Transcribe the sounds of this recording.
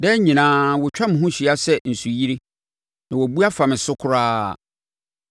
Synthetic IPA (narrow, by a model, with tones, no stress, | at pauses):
dɛ˦ɲĩ˨nãː˦wʊ˨t͡ɕᶣa˦mɪ̃˨ɦũ˦ɕi˨a˦sɛ˦n̩˨su˨ji˦ɾi˦ | nã˨wɔ˨bu˦a˦fa˨mɪ̃˨sʊ˦kʰʊ˦ɾaː˦˨